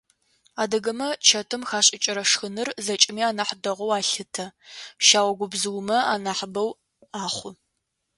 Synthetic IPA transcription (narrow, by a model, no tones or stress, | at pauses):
aːdɐɡɐmɐt͡ʃʰɐtʰɨmxaːɕʼɪt͡ʃʼɪɾɐʂxɨnɨrzɐt͡ʃʼɪmiːaːnaħdɐʁʷowaːɬɨtʰɐʃaːwɐɡʷʊbzɨwmɐa̰ːnaːħbɐw | aːχʷʊ